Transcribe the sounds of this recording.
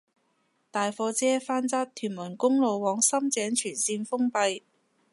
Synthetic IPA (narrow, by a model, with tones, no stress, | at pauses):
t̪aː˨jfɔː˧t͡sɛː˥faː˥nt͡saː˥t̪ʰyː˨˩nmɐ˨˩nkʊ˥ŋlo˨wːɔː˨˥ŋsɐ˥mt͡sɛː˨˥ŋt͡ʃʰyː˨˩nsiː˧nfʊ˥ŋpɐ˧j